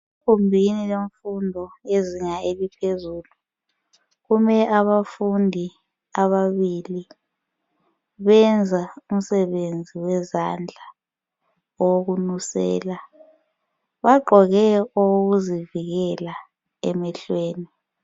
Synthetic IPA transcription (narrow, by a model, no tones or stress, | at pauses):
kʰumbʱinileɱfundʱɔeziŋaeβipʰezuːlu | ɣumɛʔaβafundʱi | aβaβili | βɛnd͡zʱaum̩sɛβend͡zʱiwɛzand͡ɮʱa | ɔwoɣunusɛ̰ːla | βaɡ͡ǃʱɔɣɛoɣuziviɣɛla | ɛ̰mɛɬweːni